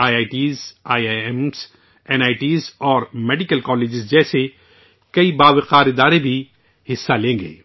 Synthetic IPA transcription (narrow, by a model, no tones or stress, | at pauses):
aːjaːɪʈiːzaːjms | ɛnaːɪʈiːzɔːɾmeːɖɪkəlkɔːleːd͡ʒɪzd͡ʒɛːse | kɐibaːʋɪqaːɾɪd̪aːɾebʱi | hɪsːalẽːŋɡḛː